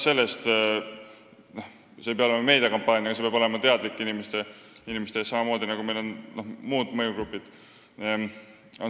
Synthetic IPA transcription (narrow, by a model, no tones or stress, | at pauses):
se̞lːest̪ | noh | se̞pɑolemɑme̞jd̪iɑkɑmpˑɑːnʲjɑɡ̥ɑse̞peɑbo̞le̞mɑt̪e̞ɑd̪likːˑinimest̪einimest̪e̞sɑmɑmo̞ːd̪inɑɡ̥ume̞jlo̞nno̞hmuːd̪̥mɤjuɡ̥ɾupːˑid̪̥ | o